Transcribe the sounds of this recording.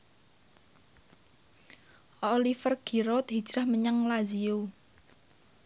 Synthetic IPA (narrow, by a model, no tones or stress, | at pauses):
ʔolifərɡ̥iɾot̪ɦi̥d͡ʒ̥ɾahməɲəŋlaziu